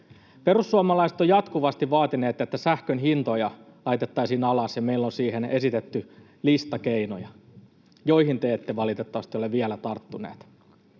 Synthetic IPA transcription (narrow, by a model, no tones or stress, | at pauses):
pe̞ɾusːuɑmɑlɑiset̪ojɑt̪kuʋɑst̪iʋʋɑːt̪ine̞ːt̪ːet̪ːæsæhkønɦint̪o̞jɑ | lɑit̪e̞t̪ːɑisiːnɑlɑsjɑmeilːonsiːɦene̞sit̪et̪ːy | list̪ɑkeino̰jɑ | jo̞ihint̪eːt̪ːeʋɑlit̪et̪ːɑʋɑst̪ioleʋielæt̪ɑrt̪ːunḛːt̪